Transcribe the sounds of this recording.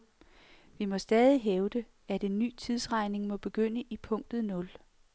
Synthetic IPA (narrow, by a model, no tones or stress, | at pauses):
ʋimɒ̽sd̥ɛːð̞ˠiɦeʊd̥e̝ | æd̥e̝nːy̰ːt͡sʰið̞ˠsʁɑ̈ɪne̝ŋmɒ̽b̥e̝ɡ̥øn̰əʔipʰɔ̽ŋ̰d̥ð̩ˠnɔ̽l